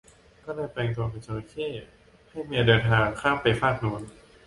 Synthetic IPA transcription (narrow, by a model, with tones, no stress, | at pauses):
kɔː˥˩daː˧˥˩jplɛː˧ŋt̪u˧əkʰa˧˩sʰa˧o˧kʰeː˥˩ | ha˥˩jmi˧˨dɤː˧nt̪ʰaː˧ŋkʰaː˥˩mpa˧jfʰaː˥˩k̚nu˧˥ən